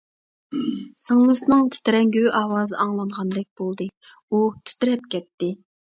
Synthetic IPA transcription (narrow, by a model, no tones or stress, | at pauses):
sɨŋlˠɨsɨnɨŋt̪ʰɪ̥t̪ɪɾɛŋɡʲyʔɑːwɑːzɨʔɑŋlˠɑnʁɑnd̪ɛk̚ʲb̥olˠd̪ɨ | ut̪ʰɪ̥t̪ɪɾɛpkʲʰɛt̪ːɪ